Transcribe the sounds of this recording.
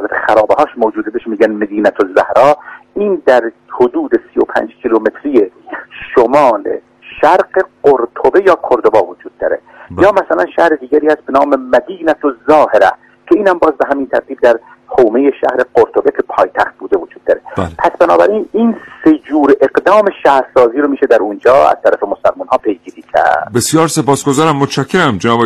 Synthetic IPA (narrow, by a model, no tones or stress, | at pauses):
læt̪e̥xæɾɒːbeɦɒːʃmoːd͡ʒuːd̪ebeʃmiːɟænmed̪iːnæt̪ʰozæhɾɒːiːnd̪æɾhod̪uːd̪esijopʰæ̰ːnd͡ʒkʲʰilome̞t̪ʰɾijeʃomɒːlḛ | ʃæɾqeqoɾt̪ʰobe̞jɒːkʰoɾd̪obɒːvod͡ʒuːd̪̥̚ːɒːɾe | jɒːmæsælænʃæhɾed̪iːɡʲæɾiːhæst̪̚benɑːmemæd̪iːnæt̪ʰozɒːheɾæ̰ | cʰeiːnhæmbɒːzbeɦæmint̪ʰæ̰ɾt̪ʰiːb̚d̪æɾ | hoːmejeʃæ̰hɾeqoɾt̪ʰo̞be̞kʰe̞pʰɒːjt̪ʰæxt̪̚buːd̪evod͡ʒuːd̪̚ːɒːɾelpʰæsbænɒːbæɾiːniːnsed͡ʒuːɾʔe̞ɡd̪ɒːme̞ʃæhɾsɒːziːɾomiːʃed̪æɾund͡ʒɒːæ̰z̥t̪ʰæɾæfemosælmunhɒːpʰe̞jɡiːɾiːcʰæ̰ɾɾdd̪besjɒːɾsepɒːsɡozɒːɾæmːot̪t͡ʃʰæcʰːeɾæmd͡ʒenɒːbe